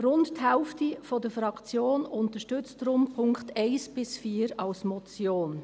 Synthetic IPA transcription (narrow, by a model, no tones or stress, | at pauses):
ɾʊndthɛlftifɔdəfɾɑkt͡sjoːnʊntəʃtʏt͡stɾʊmpʰʊŋkχtɛɪsb̥ɪsfiːɾɑlsmɔt͡sjoːn